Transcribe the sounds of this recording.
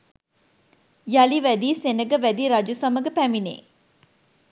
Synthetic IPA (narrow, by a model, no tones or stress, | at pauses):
jaliʋæd̪iːsenəɡəʋæd̪iːɾad͡ʒusaməɡəpæminḛː